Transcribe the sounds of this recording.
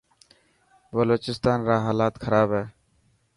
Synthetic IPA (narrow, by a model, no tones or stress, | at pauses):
bəloːt͡ʃɪst̪aːnɾaːɦaːlaːt̪kʰəɾaːbɦɛː